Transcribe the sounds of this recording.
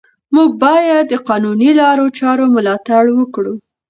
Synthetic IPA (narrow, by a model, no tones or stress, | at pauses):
muɡ̚bɑjad̪ːəqɑnunilɑɾot͡ʃɑɾomʊlɑt̪aɽwəkɽu